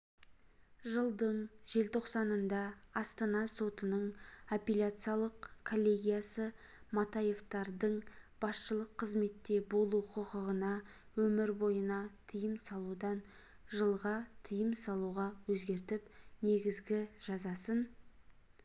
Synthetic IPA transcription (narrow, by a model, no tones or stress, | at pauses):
ʒəlˠd̪əɴʒe̞lt̪ʰo̞qsɑnənd̪ɑɑst̪ɑnɑso̞t̪ənəɴopʲelʲat̪sɨjalˠəqkʰo̞lʲːe̞ɡʲijasə | mɑt̪ɑje̞ft̪ɑɾd̪əɴb̥ɑsʃəlˠəqʰːəzme̞t̪ːe̞bo̞lˠuqʰʊqəʁənɑ | wɵmɪɾbo̞jənɑt̪ʰijəmsɑlˠud̪ɑn | ʒəlˠʁɑt̪ʰijəmsɑlˠuʁɑwɵzɡʲe̞ɾt̪ɪpne̞ɡʲɪzɡʲɪʒ̥ɑzɑsən